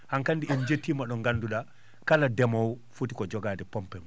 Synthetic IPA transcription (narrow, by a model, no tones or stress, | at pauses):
hankandiɛnd͡ʒetːiːmaɗɔŋɡanduɗa | kaladɛmɔwfutikɔd͡ʒɔɡaːdɛpɔmpɛmu